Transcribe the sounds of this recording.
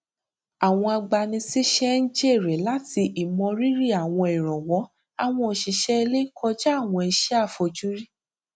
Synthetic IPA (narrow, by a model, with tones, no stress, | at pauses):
a˨w̃ɔ̃˧a˧ɡ͡ba˧nĩ˧si˦ʃɛ˦n̩˦d͡ʒɛ˦e˦˨ɾɛ˨la˨˦ti˧ʔi˨mɔ̃˧ɾi˦ɾi˦a˨w̃ɔ̃˧ɛ˨ɾ̃ɔ̃˨wɔ˨˦ | a˧w̃ɔ̃˧˨ʃi˧ʃɛ˦e˧le˦i˦kʰɔ˧d͡ʒa˦a˦˨w̃ɔ̃˧ɛ˧ʃɛ˦a˦˨fɔ˧d͡ʒu˦ɾi˦